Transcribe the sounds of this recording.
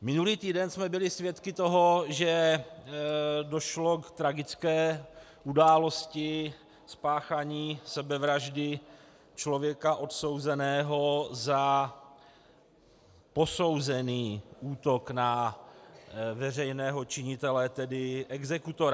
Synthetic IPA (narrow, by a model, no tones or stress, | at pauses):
mɪnuliːt̪iːdɛnsmɛbɪlɪsvjɛt̪kɪt̪o̞ɦoʒɛ | do̞ʃlo̞kt̪ɾaɡɪt͡skɛː | ʔudaːlo̞scɪ | spaːxaɲiːsɛbɛvɾaʒdɪ | t͡ʃlo̞vjɛkaʔo̞t̪so̞wzɛnɛːɦo̞za | po̞so̞wzɛniːʔuːt̪o̞kna | vɛr̝ɛjnɛːɦo̞t͡ʃɪɲɪt̪ɛlɛt̪ɛdɪʔɛɡzɛkut̪o̞ɾa